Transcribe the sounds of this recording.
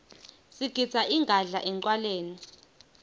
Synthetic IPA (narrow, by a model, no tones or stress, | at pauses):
siɡ̥ʱi̥z̥ʰʱaʔiŋʱaɮaʔɛŋǀwaleːni